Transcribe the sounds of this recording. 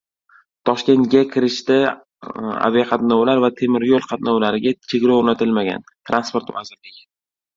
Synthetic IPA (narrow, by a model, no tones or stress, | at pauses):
t̪ʰɒʃkʲe̞nt̪ɡʲakʲʰɪɾɪʃt̪ɪ | a̰veqʰɑt̪nɒwlaɾvat̪ʰe̞mɪɾjolˠqʰɑt̪̚nɒwlaɾɪɡʲat͡ʃʰe̞ɡʲɾɒwoɾnat̪ʰɪlmaɡʲa̰nt̪ʰɾanspoɾt̪vazɪɾlɪɡʲ